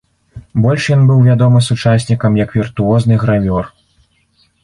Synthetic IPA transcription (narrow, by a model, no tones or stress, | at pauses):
bɔlʲʂjɔnbɨwvʲad̪ɔmɨsut͡ʂasʲnʲikɐmjɐkvʲirt̪uɔznɨɣɾamʲɔr